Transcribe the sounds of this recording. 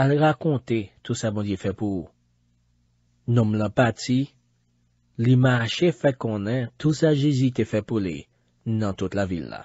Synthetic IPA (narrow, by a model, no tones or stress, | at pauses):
alʁakɔ̃t̪et̪usabɔ̃djefɛpu | nɔ̃mlãpati | limaʃefɛkɔ̃nɛ̃t̪usaʒezytefɛpulḭ | nɐ̃t̪ut̪lavḭlːa̰